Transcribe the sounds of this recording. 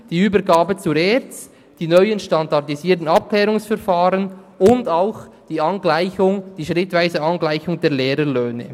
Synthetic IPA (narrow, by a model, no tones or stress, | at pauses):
d̥iːyːbəɾɡaːbət͡suɾɛɾt͡st | d̥iːnœʏənʃtandɑʁdiziːtn̩ɑp̚klɛːɾʊŋsfɛɾfaːɾənʊndaʊxd̥iːɑnɡlaɪçʊŋd̥iːʃʁɪtvaɪzəɑnɡlaɪçʊŋdɛːlɛːɾəløːnə̰